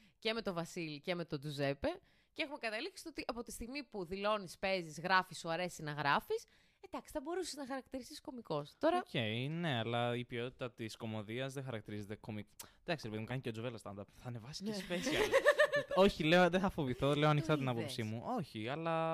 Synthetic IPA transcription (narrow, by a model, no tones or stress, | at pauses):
ce̞me̞t̪o̞vɐsilice̞me̞t̪o̞d̪uze̞pe̞ | cee̞xume̞kɐt̪ɐliksi̥t̪ot̪iʔɐpo̞t̪i̥st̪iɣmipuðilo̞nispe̞zizɣɾɐfisoɐɾe̞sinɐɣɾɐfis | ed̪ɐksi̥θɐbo̞ɾusiznɐxɐɾɐk̚t̪iɾisisko̞miko̞st̪o̞ɾɐoceine̞ɐlɐipio̞t̪it̪ɐt̪isko̞mo̞ðiɐzðexɐɾɐkt̪iɾize̞t̪e̞ko̞mikd̪ɐksiɾepeðimukɐniceod͡zuvelɐst̪ɐ̰nd̪ɐɾpθɐːne̞vɐsi̥esspes | o̞çile̞oðeθɐfo̞viθo̞le̞oɐnikxt̪ɐt̪inɐpopsimuʔo̞çiɐlɐ